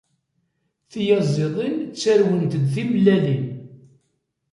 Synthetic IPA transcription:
θijɑzˤːeðˤint͡sːæɾwənt̪əd̪θimlælin

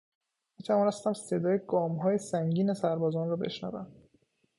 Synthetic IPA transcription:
ætʰæmɒːnæst̪æmsed̪ɒːjeɡɒːmɦɒːjesæŋɟiːnesæɾbɒːzɒːnrɒːbḛʃnæ̰væ̰m

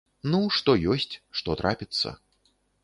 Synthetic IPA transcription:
nuʂt̪ɔjɔsʲt͡sʲʂt̪ɔt̪ɾʔapʲit̪sːɐ̰

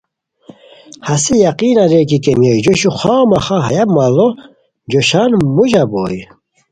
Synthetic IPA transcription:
hasijaqiːnaɾekikʼɛmjejd͡ʒɔʃuχaːmaχaɦa̰jabmalɔ | d͡ʒɔʃanmuʒabo̰ːj

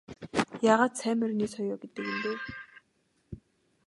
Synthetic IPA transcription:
jaːʁaːt̪sʰæːmɘ̆rniːsɔjɔːɡet̪ɘ̆kimp̪eː

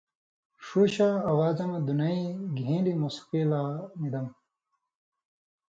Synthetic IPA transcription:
ʂuːɕaːwaːzɐmd̪unɐiɡʱĩːlimuspiːlaːnid̪ɐm

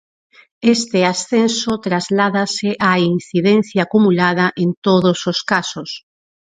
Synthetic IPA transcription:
est̪easθẽnsot̪ɾazlaðaseʔainθiðen̟θjaːkumulað̞aʔẽnt̪oðososkasos

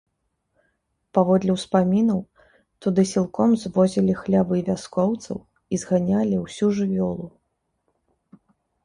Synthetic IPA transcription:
pavɔd̪lʲiwspamʲinɐw | t̪ud̪ɨsʲilˠkɔmzvɔzʲilʲixlʲabɨivʲaskɔwt̪sɐ̰w | izɣanʲalʲiwsʲuʐɨvʲɔlˠu

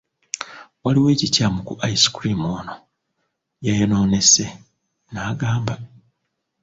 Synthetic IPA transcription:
waliwe̞ːcicamukuʔaisi̥kɾimoːno | jajono̞ːne̞se | naːɡaːmba

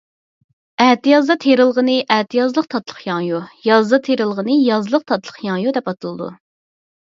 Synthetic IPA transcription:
ɛt̪ijɑzd̪ɑt̪ʰeɾɨlˠʁənɨʔɛt̪ijɑzlˠəqt̪ʰɑt̪lˠə̥χjɑŋjujɑzd̪ɑt̪ʰeɾɨlˠʁənɨjɑzlˠəq̚t̪ʰɑt̪lˠəχjɑŋjud̪ɛpɑt̪ʰɨlˠɨd̪ṵ

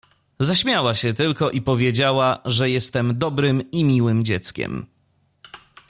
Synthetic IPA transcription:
zaɕmʲjawaɕɛt̪ɘlkɔʔipɔvʲjed͡ʑawaʐɛjɛst̪ɛmd̪ɔbɾɘmimʲiwɘmd͡ʑɛt̪skʲɛ̰m

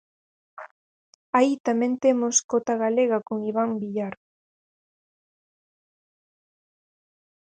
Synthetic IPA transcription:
ait̪amẽnt̪emoskot̪aɣaleɣakoŋiβ̞ambiʎaɾ

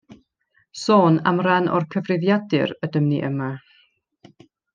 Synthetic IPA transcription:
soːna̰mranʔɔ̰rkʰəvrɪvjadɨrədəmniʔəma

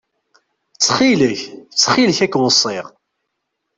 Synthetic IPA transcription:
t͡sːχiləçt͡sːχiləçækːwəsˤːɪʁ

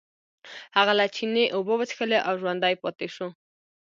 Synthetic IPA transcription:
haɣalat͡ʃʰineʔobəbət͡ʃxəleʔawʒwand̪ajpɔt̪eʃo

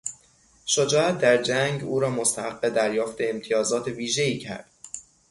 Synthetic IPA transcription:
ʃod͡ʒɒːæt̪̚d̪æɾd͡ʒæŋɡuːɾɒːmost̪æhæqːe̞d̪æɾjɒːft̪e̞ːmt̪ʰijɒːzɒːt̪ʰe̞viːʒe̞iːcʰæ̰ɾd̪̥

